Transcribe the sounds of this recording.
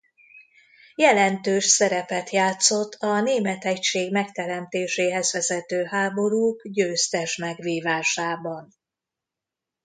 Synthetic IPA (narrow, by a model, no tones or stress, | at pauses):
jɛlɛnt̪øːʃsɛɾɛpɛt̪jaːt̪so̞t̪ʰːɒneːmɛt̪ɛcʃeːɡmɛkt̪ɛɾɛmt̪eːʃeːɦɛzʋɛzɛt̪øːɦaːbo̞ɾuːkɟøːst̪ɛʃmɛɡʋiːvaːʃaːbɒn